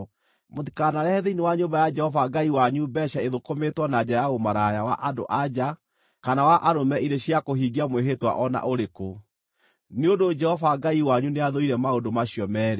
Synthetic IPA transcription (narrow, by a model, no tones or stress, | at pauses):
motikanaɾɛhɛðeinewaɲombajad͡ʒɛhɔvaɡaiwaɲubɛɕaeðokometwɔnad͡ʑajaomaɾajawa̰ʔado̰ʔad͡ʑa | kanawaʔaɾomɛʔiɾeɕjakoɦiɡiamweɦetwa̰ʔɔna̰ʔoɾeko | neondod͡ʒɛhɔvaɡaiwaɲuneaðoiɾɛmaodomaɕiɔmɛːɾe